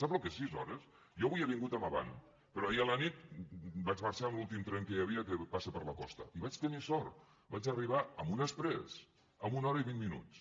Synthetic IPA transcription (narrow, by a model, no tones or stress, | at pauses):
sapəlkesizɔɾəs | jɔβujeβiŋɡut̪əməβa̰n | pəɾɔiələnit̪bad͡ʒməɾt͡ʃaəmlulˠt̪imt̪ɾɛŋkəjəβiəkəpasəpəɾləkɔ̰st̪ə̰iβat͡ʃt̪ənisɔɾt̪ | bat͡ʃəriβ̞aəmunəspɾɛ̰s | əmunɔɾəiβinminṵt͡s